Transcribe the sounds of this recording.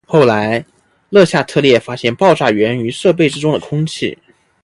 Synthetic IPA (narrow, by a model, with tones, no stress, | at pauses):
xo˥˩ʊla˧˥ɪ | lɤ˥˧ɕja˥˧t̪ʰɤ˥˧ljɛ˥˩fa˥ɕjɛ˥˧npɑ˥˧ʊʈ͡ʂa˥˩ɥɛ˧˥ny˧˥ʂɤ˥˧p̬e˥˩ɪʈ͡ʂɻ̩˥ʈ͡ʂʊ˥ŋd̪ə˨kʰʊ˥ŋt͡ɕʰḭ˥˩